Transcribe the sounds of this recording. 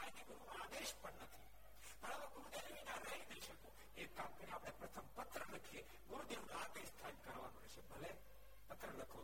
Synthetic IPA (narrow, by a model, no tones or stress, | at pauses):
ajniɡuɾunaaːd̪eʃpəɳnət̪ʰi | pəɾə̃t̪ɡʊɾud̪elʋinãɾɛɦid̪eliʃəko | ekamkəɾiaːpɽ̃epɾɐt̪ʰəmpət̪ɾələkʰie | ɡʊɾud̪elunãad̪eʃt̪ʰankəɾʋa̰nũɾɛʃebʱəle | pət̪ɾələkʰo